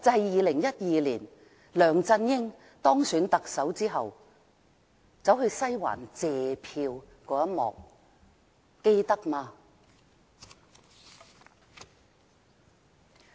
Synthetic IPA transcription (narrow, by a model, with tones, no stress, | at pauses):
t͡sɐ˨˧hɛ˨jjiː˨lɪ˨˩ŋjɐ˥t̚jiː˧liː˨˩n | lœː˨˩ŋt͡sɐ˧njɪ˥ŋ | t̪ɔː˥ŋsyː˨˥nt̪ɐ˨k̚sɐ˨˥wt͡siː˥ɦɐ˨w | t͡sɐ˨˥wɦɵ˧ɥsɐ˥jwa̰ː˨˩nt͡sɛː˨pʰiː˧w | kɔː˨˥jɐ˥t̚mɔ̰ː˨k̚ | e˥jt̪ɐ˥k̚maː˧